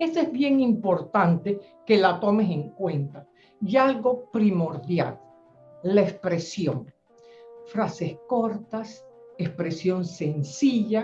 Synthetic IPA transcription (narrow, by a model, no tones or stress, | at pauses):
esezβje̞ŋimpo̞ɾt̪ant̪e̞ | ke̞lat̪o̞mese̞ŋkwe̞nt̪a | jalɣo̞pɾimo̞ɾðja̰l | laespɾe̞sjoŋ | fɾase̞sko̞ɾt̪asespɾe̞sjo̞nsensiʝa